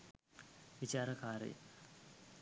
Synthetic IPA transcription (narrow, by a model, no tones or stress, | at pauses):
ʋit͡ɕaːɾɐkaːɾḛ